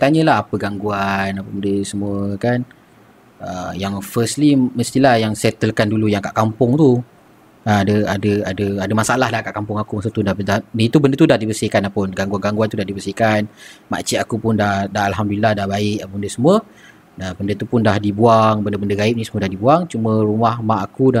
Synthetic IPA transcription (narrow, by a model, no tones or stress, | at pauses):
t̪aɲəlaɦapəɡaŋɡuanapəbəndəsəmuəkan | əjaŋfəsliməst̪ilahjaŋsɛt̪əlkandulujaŋka̰ʔkampʊŋt̪u | əadəadəadəadəmasaʔalaɦlahkaʔkampʊŋakumas̬at̪udadanit̪ubəndət̪udahdibəsihkanapʊnɡaŋɡwanɡaŋɡwant̪udahdibəsihkanma̰t͡ʃiʔakupʊndahdaɦalɦamdulilahdahbaɪkapəəndəsəmuə | nabəndət̪upʊndahdibuaŋbəndəbəndəɡaɪp̚nisəmuədahdibuaŋt͡ʃumə̃ɾumahmaakuda